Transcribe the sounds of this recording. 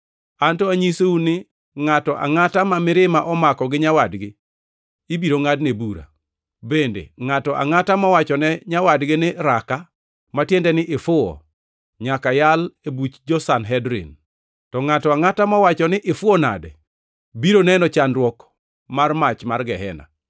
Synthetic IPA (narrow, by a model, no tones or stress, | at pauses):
antɔaɲiseunɪ | ŋatɔʔa̰ŋatamamɪɾɪmaʔɔmakɔɡɪɲawadɡɪ | ibiɾoŋadnebuɾa̰ | bendḛŋatɔʔa̰ŋatamawat͡ʃɔnɛɲawadɡɪnɪɾaka | matjendɛnɪʔɪfʊɔ̰ | ɲakajalebut͡ʃd͡ʒɔsanɦɛdɾɪ̰n | tɔŋatɔaŋatamawat͡ʃɔnɪʔɪfʊɔna̰dɛ | biɾonɛnɔt͡ʃanɾwɔk | marmat͡ʃmarɡɛɦɛ̰na̰